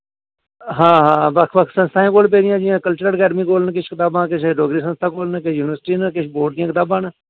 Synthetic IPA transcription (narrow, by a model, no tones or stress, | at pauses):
ɦãːɦãːbəkʰʋək̪ʰsə̃nst̪ʰaːẽːkoːlp̬eːɾɪjãːd͡ʒijãːkəlt͡ʃʊɾəlkɛːɖmikoːlnkɪt͡ʃʰkɪt̪aːbãːkɪt͡ʃʰɖoːɡɾiːsə̃nst̪ʰaːkoːlnkɪt͡ʃʰjuːnɪʋəɾsʈiːnəkɪt͡ʃʰboːɖd̪ijãːkɪt̪aːbãːn